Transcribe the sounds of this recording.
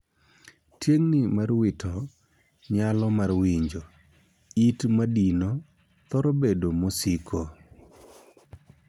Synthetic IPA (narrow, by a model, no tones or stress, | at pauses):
tʰjeŋnimarwɪtʰɔ | ɲalɔmarwiɲd͡ʒo | itmadino | t̪ɔɾobedomosikʰo